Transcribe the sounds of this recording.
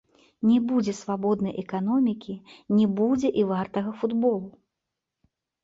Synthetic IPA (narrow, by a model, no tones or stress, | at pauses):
nʲɛbud͡zʲɛsvabɔd̪nɐjʔɛkan̪ɔmʲikʲinʲɛbud͡zʲɛʔivart̪ɐɣɐfud̪bɔlˠu